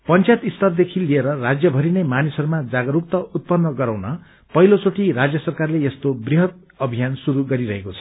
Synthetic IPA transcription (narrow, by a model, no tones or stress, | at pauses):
pʌnt͡sajt̪ist̪ʌrd̪ekʰilieɾʌrad͡zjʌbʱʌɾinemanisʌɾumad͡zaɡʌɾuk̚t̪ʌut̪̚pʌnːʌɡʌɾawnʌ | pʌɦilot͡soʈiɾad͡zjʌsʌrkarlejest̪obriɦʌt̪̚ | ʌbʱijansuɾuɡʌɾiɾʌɦekot͡sʰʌ̥